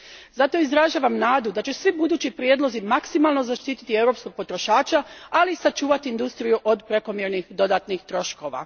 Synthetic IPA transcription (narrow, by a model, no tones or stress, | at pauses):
zat̪o̞izɾaʒaːʋamnaːd̪ud̪at͡ɕesʋibud̪uːt͡ɕipɾjed̪lˠo̞zimaksimalˠnozaʃt̪iːt̪i̥t̪ie̞wɾopsko̞ɡ̚po̞t̪ɾo̞ʃaːt͡ʃaalisat͡ʃuːʋat̪iːnd̪ust̪ɾijuʔo̞d̪pɾe̞ko̞mjeɾnixd̪o̞d̪aːt̪nixt̪ɾo̞ʃko̞ʋa̰